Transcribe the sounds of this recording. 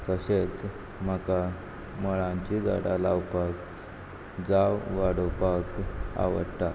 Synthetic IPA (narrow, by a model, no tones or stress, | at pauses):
t̪əɕet͡s | m̤əka | məɭãɲt͡ɕid͡za̰ɽalawpak | d͡zawʋaɽopaka̰ʋəɽʈ̪a